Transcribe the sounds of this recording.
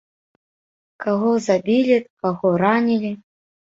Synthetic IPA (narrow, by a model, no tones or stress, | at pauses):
kaɣɔzabʲilʲikaɣɔɾanʲilʲi